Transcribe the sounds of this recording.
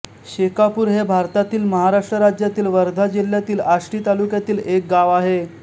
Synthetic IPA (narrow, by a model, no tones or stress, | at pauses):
ɕekapuːɾɦebʱaɾt̪at̪iːlməɦaɾaʂʈɾəɾad͡ʑjat̪iːlʋəɾd̪ʱad͡ʑil̤jat̪iːlaʂʈiːt̪alukjat̪iːlek̚ɡaʋaɦe